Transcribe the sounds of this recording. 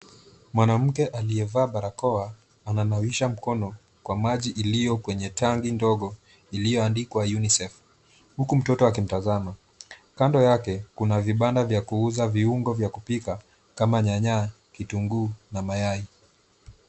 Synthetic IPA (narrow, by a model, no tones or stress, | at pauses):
mwanam̩kɛʔaliɛvaːɓaɾakɔa | ananawiʃam̩kɔnɔ | kwamaʄiʔːlijɔkwɛɲɛtaŋɡindɔɠɔ | ilijɔandikwajunisɛf | hukum̩tɔtɔakim̩tazama | kandɔjakɛkunaviɓandavjakuuzaviuŋɡɔvjakupika | kamaɲaɲa | kituŋɡuːnamajai